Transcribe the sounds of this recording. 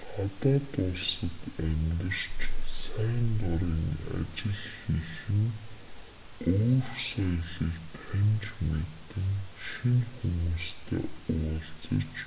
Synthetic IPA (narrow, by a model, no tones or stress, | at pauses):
χat̪aːt̪ʊɮsə̆t̪æmt̪ə̆r̥t͡ɕsæːnt̪ɔɾiːŋa̰t͡ɕɪ̆ɮxixɘ̆n | oːrsajɮiːkt̪ʰæmʲt͡ɕmet̪ɘ̆ŋʃinxumuːst̪ʰḛːʊɮt͡sə̰̆t͡ɕ